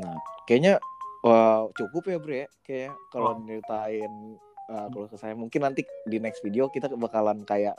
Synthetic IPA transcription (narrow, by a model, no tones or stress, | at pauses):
nakajaɲaət͡ʃukʊpjabɾjakajɲakaloməɾit̪aɪn | əkalokəsajamuŋkɪnːant̪idinɛksfideokit̪abakalankajaʔ